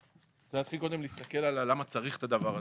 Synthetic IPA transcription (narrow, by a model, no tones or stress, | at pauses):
zejat̪χilkod̪e̞mliːst̪ake̞lalalːamat͡saʁiχt̪ad̪avaʁa